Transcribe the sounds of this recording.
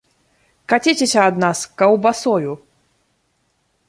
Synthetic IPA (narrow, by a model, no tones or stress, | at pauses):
kat͡sʲit͡sʲesʲɐad̪naskɐwbasɔju